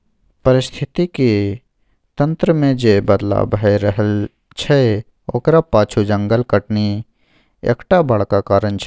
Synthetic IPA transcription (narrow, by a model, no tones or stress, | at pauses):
pəɾɪst̪ʰɪt̪iki | t̪ə̃nt̪ɾəmẽd͡ʒebəd̪la̰bɦeɾəɦəl | t͡ʃʰee | oːkɾapaːt͡ʃʰud͡ʒə̃ŋɡəlkəʈni | ḛːkʈabəɭkakaːɾənt͡ʃʰ